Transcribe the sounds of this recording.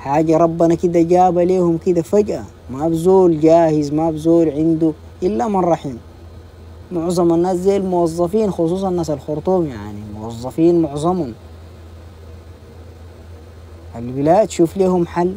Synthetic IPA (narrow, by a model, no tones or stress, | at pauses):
ħaːɟaɾˤɑbːanakid̪aɟaːbaleːhumkid̪afaɟʔa | mabzoːlɟaːhizmabzoːlʕind̪u | ʔilːamɑnrˤɑħiːn | mʊʕzˤɑmanːaːs̬zajalmuwɑzˤːɑfiːnxus̬ˤuːs̬ˤɑnːaːs̬alxʊɾˤt̪ˤuːmja̰ʕnimuwɑzˤːɑfiːnmʊʕzˤɑmhum | ʔalwilaːʔt̪ʃuːfleːhumħalː